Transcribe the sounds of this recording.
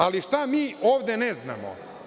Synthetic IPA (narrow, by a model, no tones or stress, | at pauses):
aliʃt̪amiːoːʋd̪enezna̰mo̰